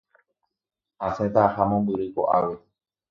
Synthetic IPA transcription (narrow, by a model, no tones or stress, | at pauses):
aset̪ahamõmbɨɾɨko̰ʔaʋe